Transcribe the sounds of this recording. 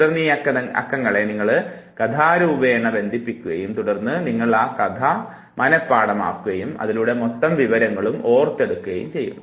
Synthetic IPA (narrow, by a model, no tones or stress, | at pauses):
ɽɐrnːiɐkːɐɐ̰kːɐŋːɐɭe̞niŋːɐɭ | kɐd̪ʱaːɾuːbeːɳːɐbe̞nd̪ʱipːikʲːuɣɐjumt̪uɽɐrnːɨniŋːɐɭaːkɐd̪ʱa | mʔɐnɐpːaːɽɐma̰ːkːuɣɐjumɐ̰ðiluɽe̞mot̪ːɐmʋiʋɐɾɐŋːɐɭumo̞ːrt̪ːe̞ɽukːuɣɐjṵmt͡ɕe̞jːṵnːu